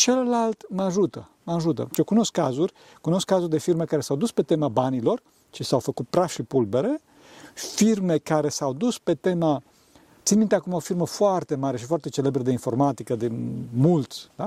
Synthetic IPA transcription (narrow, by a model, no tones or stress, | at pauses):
t͡ʃellalt̪məaʒut̪ə | məaʒut̪ə̰t͡ʃiokuno̞skːazurʲ | kuno̞skːazurʲd̪e̞firmekaɾe̞sawd̪uspe̞t̪e̞mabanilo̞r | t͡ʃisawfəkut̪̚pɾaʃipulbe̞ɾe̞ | firme̞kaɾe̞sawd̪uspe̞t̪e̞ma | t̪sinmint̪eakumao̞firməfoart̪e̞maɾeʃifoart̪e̞t͡ʃe̞lebɾəd̪einfo̞rmat̪ikəd̪emult̪sʲd̪a